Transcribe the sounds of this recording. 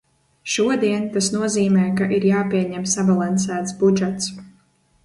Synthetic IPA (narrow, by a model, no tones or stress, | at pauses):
ʃuɔd̪iɛnt̪asnuɔziːmɛːkaʔiɾjaːpiɛɲɛmsabalˠans̬æːt̪sbud͡ʒɛt̪s